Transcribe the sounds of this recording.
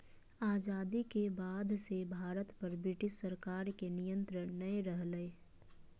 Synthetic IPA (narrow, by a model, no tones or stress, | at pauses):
aːd͡ʒaːd̪ikebaːd̪ʱsebʱaːɾət̪pɐɾbɾɪʈɪʃsəɾkaːɾkenɪjə̃nt̪ɾənnəeɾəɦləe